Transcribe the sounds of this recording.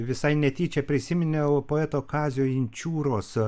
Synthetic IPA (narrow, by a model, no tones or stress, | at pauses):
ʋʲɪsɐɪnʲɛt̪ʲiːt͡ʃʲɛpʲɾʲɪsʲɪmʲɪnʲɛʊpoːɛt̪oːkɑːzʲoːɪnʲt͡ʃʲuːɾoːs